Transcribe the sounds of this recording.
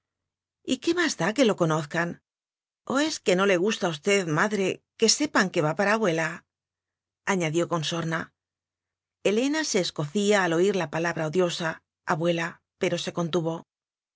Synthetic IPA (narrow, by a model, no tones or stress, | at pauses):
ike̞mazðake̞lo̞ko̞no̞θkan | o̞e̞ske̞no̞le̞ɣ̞ust̪aust̪e̞ðmaðɾe̞ke̞se̞paŋke̞βapaɾaːβwe̞la | aɲaðjo̞ko̞nso̞ɾna | e̞le̞nase̞ːsko̞θiaːlo̞iɾlapalaβɾao̞ðjo̞sa | aβwe̞la | pe̞ɾo̞se̞ko̞nt̪uβo̞